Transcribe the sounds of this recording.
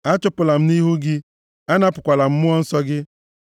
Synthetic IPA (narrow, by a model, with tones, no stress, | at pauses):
a˦t͡ʃʊ˦pʊ˨la˨m̩˦ni˦ɦu˦ɡɪ˦ | a˦na˦pʊ˨kʷa˨la˨m̩˦mʊ˦ɔ˦n̩˦sɔ˦ɡɪ˦